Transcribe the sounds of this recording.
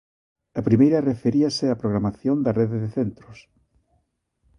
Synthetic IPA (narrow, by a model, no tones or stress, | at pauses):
ɐpɾimejɾɐrefeɾiɐsɪɐpɾoɣɾamaθjond̪ɐreðeðeθent̪ɾʊs